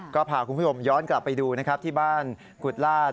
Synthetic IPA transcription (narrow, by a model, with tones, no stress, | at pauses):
kɔː˥˩pʰaː˨˩kʰu˧npʰu˥˩o˧mjɔː˦˥nkla˨˩pːa˧jduː˧na˦˥kʰa˦˥p̚t̪ʰiː˥˩baː˥˩n | ku˨˩t̪̚laː˥˩